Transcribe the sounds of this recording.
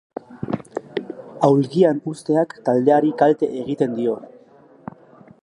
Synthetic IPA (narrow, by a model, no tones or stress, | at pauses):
awlɣianust̪e̞akːald̪e̞aɾikalt̪e̞̰ʔeɣ̞it̪e̞nd̪io̞